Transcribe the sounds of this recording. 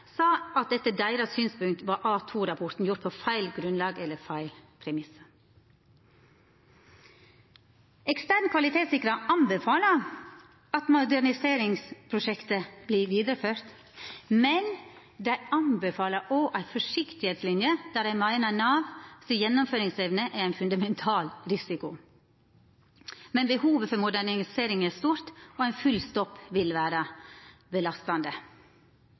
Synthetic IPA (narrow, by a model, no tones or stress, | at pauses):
sɑːɑt̪̚d̪ɛt̪ːəd̪æɪɾɑsyːnspʉŋk̚t̪ʋɑːʔɑːt̪ʰuːɾɑpʰɔɾt̪n̩jʊɾt̪̚pʰoːfæɪlɡɾʉnlɑːɡɛlːəfæɪlpʰɾɛmɪsə | ɛkst̪æɾnkʰʋɑlɪt̪ʰeːt̪sɪkɾɑʔɑnbəfɑːlə | ɑt̪mʊd̪æɾɳɪseːɾɪŋspʰɾʊʃɛkt̪əb̥liːʋiːd̪əɾəføːɾt̪ | mɛn | d̪æɪɑnbəfɑːləʔoːʔæɪfɔʂɪkt̪ɪheːt̪slɪnjəd̪̥æːɾæɪnmɑɪnɑnɑːʋsijɛnːʊmføːɾɪŋsɛʋnəʔæɾæɪnfʉnd̪ɑmɛnt̪ʰɑːlɾɪsɪkʊ | mɛnbəhuːʋəfɔɾmʊd̪æɳɪɪseːɾɪŋæst̪uːɾt̪ɔæɪnfʉlst̪ɔpːʋɪlʋæːɾəbəlɑst̪ɑnd̪ə